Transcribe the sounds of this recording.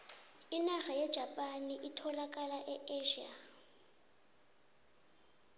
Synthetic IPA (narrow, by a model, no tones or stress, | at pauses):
inaɣajɛd̥ʒ̥ʱapʼaniʔitʰɔlakʼalaʔɛeʒiːa